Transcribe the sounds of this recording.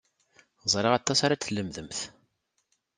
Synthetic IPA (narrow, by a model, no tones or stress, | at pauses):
zˤɾˤɪʁɑt̪ˤːɑsaɾat͡sːəlːəmðəmθ